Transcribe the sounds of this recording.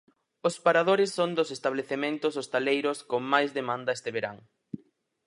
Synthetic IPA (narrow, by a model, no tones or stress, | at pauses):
ʊspaɾaðoɾɪsːond̪osest̪aβleθemẽnt̪ʊsost̪alejɾʊskoŋmajzðemãnd̪ɐest̪eβeɾa̰ŋ